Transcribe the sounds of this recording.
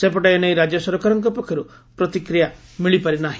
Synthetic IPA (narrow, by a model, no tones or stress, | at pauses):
sepɔʈaeñejɾad͡ʒjɔsɔɾɔkaɾɔŋkɔpɔkʰjɔɾu | pɾɔt̪ikɾija | miɭipaɾinaɦĩ